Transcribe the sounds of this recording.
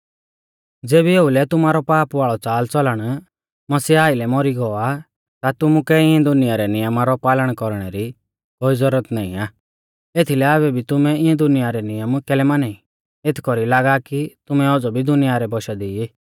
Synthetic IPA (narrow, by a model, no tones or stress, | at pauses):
d͡zeːbieːulɛt̪ʊmaːɾɔpaːpaːɭɔt͡saːlt͡sɔləɽ̃ | mɐsiːaːilɛmɔɾiɡɔa | t̪at̪ʊmukɛɪ̃ɛ̃d̪ʊnɪjaɾɛnɪjəmaɾɔpaːləɽ̃kɔɾɽ̃ɛɾi | bozəɾət̪naːḭ̃aː | eːt̪ʰilɛaβɛbʱit̪ʊmɛɪɛ̃d̪ʊnɪjaɾɛnɪjəmkɛlɛmanai | et̪ʰkɔɾilaːɡakit̪ʊmɛɔd͡zɔbʱid̪ʊnɪjaɾɛbɔʃad̪iiː